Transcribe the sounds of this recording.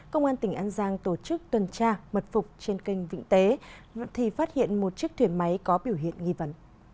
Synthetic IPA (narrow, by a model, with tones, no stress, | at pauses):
kə˧wŋ͡mʔaː˧nt̪ï˧˩ŋ̟ʔaː˧nzaː˧ŋt̪o˧˩t͡ɕɨ˦˥k̚t̪wə˨˩nt͡ɕaː˧mə˨˩t̚fʊ˨˩k͡p̚t͡ɕe˧nki˧jŋ̟vḭ˧˥ŋ̟t̪e˨˦t̪ʰi˨˩faː˦˥t̚hḭ˧˨ənmo˨˩t̚t͡ɕi˦˥ək̚t̪ʰwi˧˩ənma˨˦jkɔ˨˦ɓi˧˩əwɦḭ˧˨ənŋi˧və˨˦n